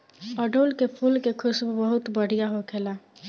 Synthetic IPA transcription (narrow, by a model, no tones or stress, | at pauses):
əɖoːlkepʰuːlkekʰʊsbbəɦʊt̪bəɽ̤ijaɦokʰeːla